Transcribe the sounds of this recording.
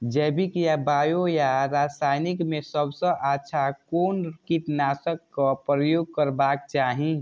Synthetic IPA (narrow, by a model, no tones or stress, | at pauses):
d͡ʒɛbikjabajojaɾasajnikmesəbsə̃ʔatːʃʰakonkit̪nasəkːəpɾəjoɡ̚kəɾbak̚t͡ʃaːɦĩ